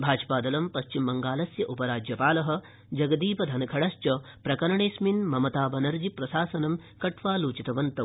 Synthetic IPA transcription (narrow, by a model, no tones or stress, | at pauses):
bʱaːd͡ʒpaːd̪ɐlɐmpɐʃt͡ʃimbɐŋɡaːlɐsjɐʔupɐɾaːd͡ʒjɐpaːlɐɦɐ̆ | d͡ʒɐɡɐd̪iːpɐd̪ʱɐnɐkʰɐɽɐst͡ʃɐpɾɐkɐɾɐɳeːsminmɐmɐt̪aːbɐnɐɾd͡ʒipɾɐsaːsɐnɐmkɐʈʰʋaːluːt͡ʃit̪ɐʋɐnt̪ɐ